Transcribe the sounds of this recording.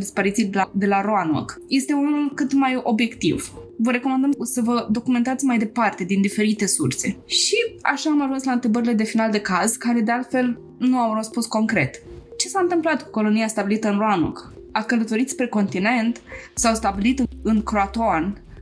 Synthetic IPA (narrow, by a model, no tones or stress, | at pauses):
d̪ispaɾit̪sijad̪e̞laɾoano̰kje̞st̪e̞unnulkɨt̪majo̞bje̞kt̪ḭvvəɾe̞komand̪əmsəvəd̪o̞kume̞nt̪at̪sʲmajd̪e̞part̪e̞d̪ind̪ife̞ɾit̪e̞sṵrse̞ʃia̰ʃaːmaʒunslaɨnt̪ɾebəɾile̞d̪e̞finald̪ekazkaɾe̞d̪e̞alt̪fe̞l | nuawrəspunsko̞ŋkɾe̞t̪t͡ʃe̞saɨnt̪ɨmplat̪ku̥ko̞lo̞niast̪abilit̪əɨnroano̰k | akələt̪o̞ɾit̪sʲpɾe̞ko̞nt̪ine̞nt̪sawst̪abilit̪ɨɨnkɾoat̪oan